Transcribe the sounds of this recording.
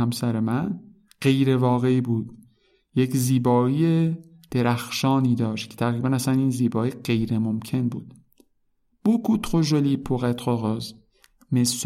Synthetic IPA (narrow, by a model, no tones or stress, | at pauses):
æmsæɾemæn | ɢ̥e̞jɾe̞vɒːɣe̞iːbuːd̪̥̚ | jecziːbɒːiːje | d̪̥eɾæxʃɒːniːd̪ɒːʃt̪cʰet̪ʰæɣɾiːbænæsæniːnziːbɒːiːɢe̞jɾemomcʰe̞nbuːd̪̥ | b̥ukʰut̪ʰqoʒoliːpʰoɣæt̪ʁoɣɒːz | mes